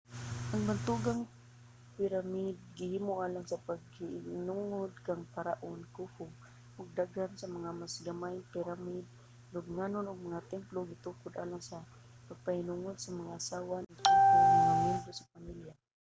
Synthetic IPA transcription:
ʔaŋbant̪uɡaŋ | pɪɾamid̪̚ɡɪhiːmʊʔaːlaŋsapaɡ̚hɪɪnuŋʊd̪̚kaŋpaɾaʔonkufʊ | ʔʊɡ̚d̪aɡhansɐmɐŋamasɡamaɪŋpɪɾamid̪̚ | lʊɡŋanonʊɡ̚mɐŋat̪ɛmploɡɪt̪uːkʊd̪ʔa̰ːlaŋsa | paɡ̚pahɪnuŋʊd̪̚sɐmaŋaʔasawanʊsaaaŋɛnd̪ɾosapamilja

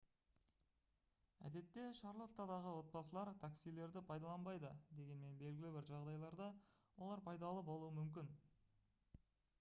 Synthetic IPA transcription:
æ̰d̪e̞t̪ːe̞ʃɑɾlˠot̪ːɑd̪ɑʁəwo̞t̪̚bɑsəlˠɑɾt̪ʰaksijle̞ɾd̪ɪpʰɑjd̪ɑlˠɑnbɑjd̪əd̪e̞ɡʲe̞nme̞nbe̞lɡʲɪlɪbɪɾʒɑʁd̪ɑjlˠɑɾd̪ɑ | wo̞lˠɑɾpʰɑjd̪ɑlˠəpolˠuəmʏmkʲɪn

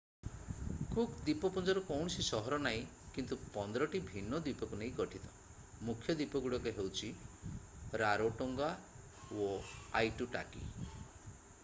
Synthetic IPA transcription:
kukd̪ipɔpɔnd͡ʒɔɾɔkɔwɳ̃ɔsisɔɦɔɾɔnaĩ | kint̪upɔnd̪ɔɾɔʈibʱinːɔd̪ipɔkuneĩkɔʈʰit̪ɔ̥ | mukʰjɔd̪ipɔɡuɽɔkeɦewt͡ʃʰi | ɾaɾoʈɔŋɡa | oa̰jʈuʈa̰kḭ

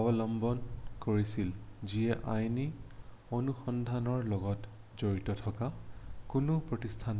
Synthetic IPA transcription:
ɔbɔlɔmbɔnkoɹisilziɛʔajni | onuxɔndʱanɔɹlɔɡɔt | zoɹitɔtʰɔkakʊnʊpɹotistʰan

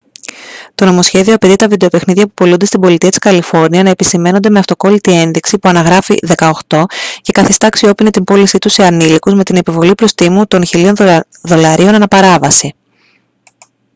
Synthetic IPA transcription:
t̪o̞no̞mo̞sçe̞ðio̞ɐpet̪it̪ɐvid̪e̞o̞pe̞xniðʝɐpupo̞lund̪e̞st̪ibo̞lit̪iɐt̪iskɐlifo̞ɾniɐnɐe̞pisime̞nod̪e̞me̞ɐft̪o̞ko̞lit̪ie̞nðiksipuɐnɐɣɾɐfḭðe̞kɐo̞xt̪o̞ce̞kɐθist̪ɐːksio̞pine̞t̪imbo̞lisit̪useɐnilikuzme̞t̪ine̞pivo̞lipɾo̞st̪imut̪o̞nçilio̞n | ðo̞lɐɾio̞nɐnɐpɐɾɐvɐsi

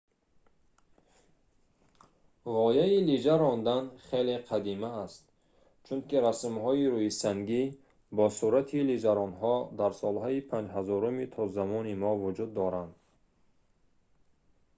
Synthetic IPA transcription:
ʁɔjailid͡ʒaɾɔnd̪anχeleqʰad̪imaːst̪ | t͡ʃʰunkiɾasmhɔiɾujisaŋɡi | bɔsuɾat̪ʰilid͡ʒaɾɔnɦɔd̪aɾsɔlhɔipʰand͡ʒɦazɔɾumit̪ʰɔzamɔnimɔvud͡ʒud̪ːɔɾand̪

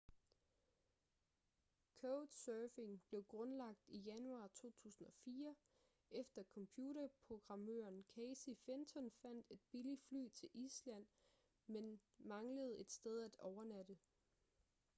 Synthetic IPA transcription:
kʰoʊd̥sœːfe̝ŋb̥le̝ʊɡ̥ʁɔ̽nlɑ̈ɡ̥̚d̥ijænuɑ̈ːt͡sʰo̝̰ːt͡sʰṵːsn̩ɒ̽fiːɐ | efd̥ɐkʰɒ̽mpʰjuːɾɐpʰʁo̝ɡ̥ʁɑ̈mø̰ɐnkʰɛsifent͡sʰɒ̽nfæn̰d̥e̝d̥̚b̥ilid̥fly̰ːt͡sʰe̝lʔislæn̰ | menmɑ̈ŋləð̞̩ˠe̝d̥sd̥eð̞ˠæd̥ɒʊɐnæd̥ə

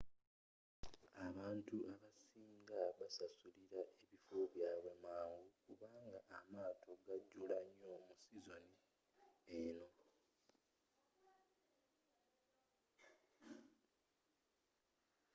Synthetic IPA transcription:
aβaːntuʔaβasiːŋɡaβasasuliɾaʔe̞βifoβjaːβwe̞maːŋɡukuβaːŋɡaʔːmaːtʰo̞ɡaɟːulaɲːomusizo̞ni | eno̞

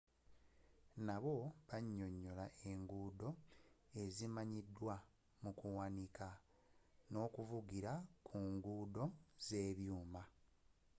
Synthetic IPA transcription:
naβo̞βaɲːo̞ɲːo̞laʔe̞ŋɡuːdo̞e̞zimaɲidːwa | mukuwanika | no̞ːkuvuɡiɾakʰuːŋɡuːdo̞z̥e̞ːβjuːma

